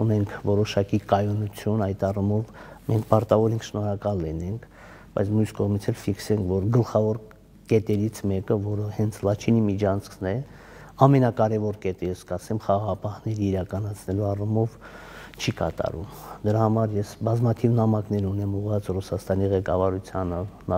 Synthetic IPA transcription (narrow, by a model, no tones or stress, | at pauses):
unɛŋkʰvɔɾɔʃɑkikɑjɔnut͡sʰjunɑjt̪ɑrumɔvmɛŋkʰpɑɾt̪ɑvɔɾiŋkʰʃnɔɾɑkɑlːinɛŋkʰ | b̥ɑ̰jt͡sʰmjuskɔʁmit͡sʰɛlfiksɛŋkʰvɔɾɡəlχɑvɔɾ | kɛt̪ɛɾit͡sʰmɛkəvɔɾəhɛnt͡sʰlɑt͡ʃʰinimit͡ʃʰɑnt͡sʰkʰnɛ | ɑmɛnɑkɑɾɛvɔɾkɛt̪əjɛskɑsɛmχɑʁɑʁɑpɑhnɛɾiːɾɑkɑnɑt͡sʰnɛluɑrumɔv | t͡ʃʰikɑ̰t̪ɑ̰ɾṵmd̪əɾɑhɑmɑɾjɛsbɑzmɑt̪ʰivnɑmɑknɛɾunɛmuʁvɑt͡srusɑst̪ɑniʁɛkɑvɑɾut͡sʰjɑnə